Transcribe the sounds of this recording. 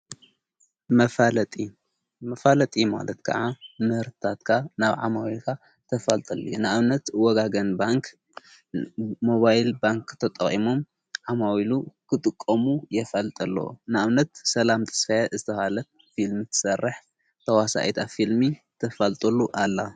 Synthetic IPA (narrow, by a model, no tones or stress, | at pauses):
mɐfalɐt̪ʼi | mɐfalɐt̪ʼima̰lɐt̪kʰɐ̰ʕamɨhɨɾt̪ʰɨt̪ʰat̪kʰanaβʕa̰mawilkʰa | t̪ʰɐfalt̪ʼɐlːḭjunɨʔaβnɐt̪wɔɡaɡɐnbaŋk | mo̞βajlbaŋkʰt̪ʰɐt̪ʼɐ̰χʼimom | ʕamawilukʰɨt̪ʼɨkʼːɐmujɛfɐlt̪ʼɐlːɐ̰w̰nɨaβnɐt̪sɐlamt̪ʰɐ̥sfɐjazɨt̪ʰɐhalɐt̪̚ | filmit̪ʰɨ̥sɐrːɨħ | t̪ʰɐwasa̰ʔit̪ʰafilmit̪ʰɐfɐlt̪ʼɐlːuʔalːa